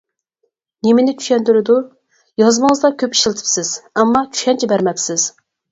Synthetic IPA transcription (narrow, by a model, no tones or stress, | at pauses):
nemɪnɪt͡ʃ̪ʰy̥ʃɛnd̪yɾɪd̪u | jɑzmɨŋəzd̪ɑkʲʰøpi̥ʃlˠt̪ʰɪ̥psɪz̥ɛmːɑt͡ʃ̪ʰy̥ʃɛnt͡ʃʰɛbæɾmɛpsɪz̥